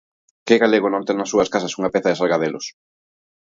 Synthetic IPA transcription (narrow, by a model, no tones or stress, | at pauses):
kɪɣaleɣ̞onõnt̪eŋnɐsːuɐskasɐsuŋɐpeθɐðesalɣaðelos